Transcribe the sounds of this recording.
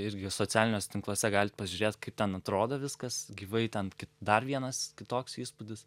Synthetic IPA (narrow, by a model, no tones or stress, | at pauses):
ɪɾʲɡʲɪsoːt͡s̪ʲæːlʲɪnʲoːsʲɛt̪ʲɪŋklˠoɔsʲɛɡɑːlʲɪt̪̚pɐʒʲuːɾʲeːt̪kɐɪp̚t̪ʲɛnɐt̪ɾoːd̪ɐʋʲɪskɐsɡʲiːʋɐɪt̪ʲɛnkʲɪtd̪ɐrʋʲiɛnɐskʲɪt̪oːksiːspʊdʲɪs